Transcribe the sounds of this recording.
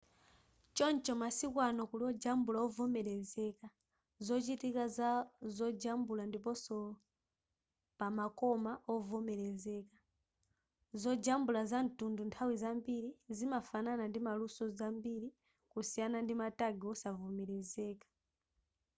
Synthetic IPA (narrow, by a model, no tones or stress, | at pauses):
t͡ʃɔnt͡ʃɔmasikwanɔkulɔd͡ʒambulaɔvɔmɛɾɛzɛka | zɔt͡ʃitikazɔd͡ʒambulandipɔsɔ | pamakɔmaʔɔvɔmɛɾɛzɛkḁ | zɔd͡ʒambulazan̩tunduntʰawizambiɾizimafananandimalusɔzambiɾi | kusijanandimataɡiɔsavɔmɛɾɛzɛːkḁ